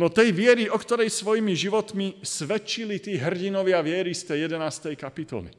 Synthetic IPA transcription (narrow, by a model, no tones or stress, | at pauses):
nɔt̪ɛjʋɪɛɾiɔkt̪ɔɾɛjsʋɔjimiʒiʋɔt̪misʋɛt͡ʃːilit̪ɛːɦr̩ɟinɔʋɪaʋɪɛɾist̪ɛjɛd̪ɛnaːst̪ɛjkapit̪ɔ̰lḭ